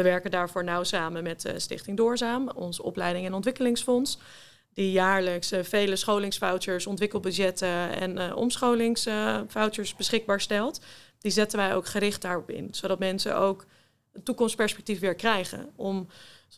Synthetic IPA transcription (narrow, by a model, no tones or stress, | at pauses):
ʋəʋɛɹkəndaːɹvʊːɹnawsaːmənmɛtstɪ̰χtɪŋduːɹzaːmɔ̰nzəɔ̰plɛjdɪŋɛnɔntʋɪkəlɪŋsfɔns | d̥ijaːɹləksfejləsχowlɪŋsfawtəɹsɔntʋɪkəl̩ˠbødjɛtəɛ̰nɔ̰msχowlɪŋsfawtəɹsbəsχɪɡ̚baːɹstɛlˠtd̥izɛtənʋɛjo̰wkχəɾɪχt̚daːɹɔpɪ̰nsowdɑtmɛnsə̰ʔowk | ətːukɔmspɛɹspɛk̚tifʋɪɹlkrɛjχə̰nɔm